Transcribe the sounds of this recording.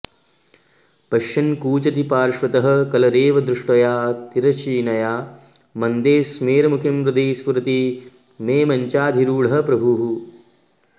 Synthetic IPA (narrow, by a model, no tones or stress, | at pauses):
pɐʃɐnkuːt͡ʃɐt̪ipaːɾʂʋɐt̪ɐɦɐ̆kɐlɐɾeːʋɐd̪ɾuʂʈɐjaːt̪iɾɐt͡ʃiːnɐjaː | mɐnd̪eːsmeːɾɐmukʰimɾud̪eːsʋɐɾɐt̪i | meːmɐɲt͡ʃaːd̪ʱiɾuːɭɐɦɐ̆pɾɐbʱuɦu